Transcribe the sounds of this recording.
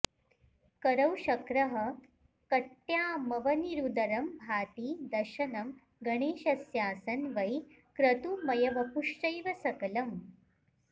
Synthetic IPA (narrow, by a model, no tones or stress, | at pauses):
kɐɾɐwʃɐkɾɐɦɐ | kɐʈːjaːmɐʋɐniɾud̪ɐɾɐmbʱaːt̪iːd̪ɐɾʃɐnɐm | ɡɐɳeːʃɐsjaːsɐnʋɐj | kɾɐt̪umɐjɐʋɐpuʂʈɐjʋɐsɐkɐlɐm